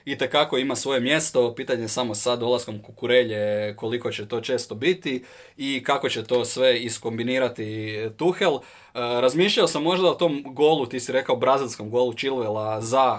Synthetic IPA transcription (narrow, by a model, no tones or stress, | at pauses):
it̪e̞kako̞imasʋo̞je̞mje̞st̪o̞piːt̪aɲesamo̞sad̪o̞lasko̞mkukuɾeʎe̞ko̞liko̞t͡ɕet̪o̞ːt͡ʃe̞ːst̪o̞bit̪i | ikako̞t͡ɕet̪o̞ːsʋe̞isko̞mbiniːɾat̪it̪uxelˠ | ɾazmiːʃʎaosamːo̞ʒd̪aot̪o̞ːmɡo̞ːlˠut̪isiɾe̞kaobɾazilʲsko̞mɡo̞ːlut͡ʃilʋelˠaza